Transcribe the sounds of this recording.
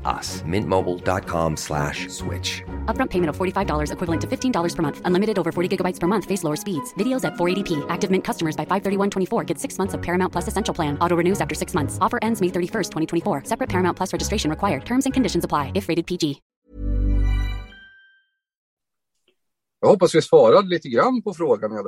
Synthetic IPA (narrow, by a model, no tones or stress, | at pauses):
ʔʌ̰smɪ̰̃nmoʊbl̩ˠdɑ̰t̚kʰɑ̰̃mslæ̰ʃswɪ̰t͡ʃʌp̚ɹʌ̃mpʰeɪmɨ̃ɾ̃ʌv̥fɔɹɾifaɪvdɔlˠə˞zɨkʰwɪvl̩ˠɨ̃ntʰɨfɪftʰĩndɔlˠə˞z̥pʰə˞mʌ̃nθə̃nlɪ̃mɨɾɨɾoʊvə˞fɔɹɾiɡɪɡəbaɪtspʰə˞mʌ̃nθfeɪsloʊə˞spidz̥vɪɾioʊzɨtfɔɹeɪɾipʰiʔæk̚tɨvmɪ̃nkʰʌstəmə˞zbaɪfaɪv̥θɜ˞ɾiwʌ̃ntʰw̥ɛ̃ifɔɹɡɛd̥sɪksmʌ̃nθsʌv̥pʰɛɹɨmãʊ̃npʰl̥ʌsɨsɛ̃nʃl̩ˠpʰl̥æ̃nɔɾoʊɹɨnʉzæftə˞sɪksmʌ̃nθsɔfə˞ʔɛ̃ndzmeɪθɜ˞ɾifɜ˞stʰwɛ̃ɾ̃itʰw̃ifɔɹsɛpɹɨt̚pʰɛɹmãʊ̃npʰlʌsɹɛd͡ʒɨstɹeɪʃɨ̃n̩ɹɨkʰwaɪə˞d̚tʰɜ̃˞mzɨ̃nkʰɨ̃ndɪʃɨ̃n̩zəpʰl̥aɪɨfɹeɪɾɨd̚pʰid͡ʒi | jɑhɔpːasvɪsvɑːɾad̪əlit̪əɡɾanpʰɔfɾoːɡanja